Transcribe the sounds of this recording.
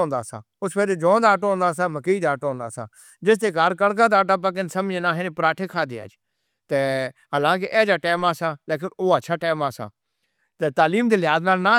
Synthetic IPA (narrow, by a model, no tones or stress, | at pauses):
ɦʊ̃nd̪aːsã̰ː | ʊspeːɾed͡ʒõːd̪aːʈoɦʊ̃nd̪aːsãːməkiiːd̪aːʈːɦõnd̪a̰ːsã̰ː | d͡ʒɪst̪eːkaːɾkəɽk̬ãːd̪aːʈaːp̬ək̬ɪnsəmd͡ʒẽːnãːɦenẽːpəɾaːʈʰeːkʰaːd̪ḛːa̰ːd͡ʒ | t̪ɛ | əlãːk̬eːʔɛːd͡ʒaːʈaːmaːsãːleːk̬ɪnoːət͡ʃʰaːʈaːmaːsã̰ː | t̪ɛt̪aːliːmd̪eːlɪɦaːznaːlnaː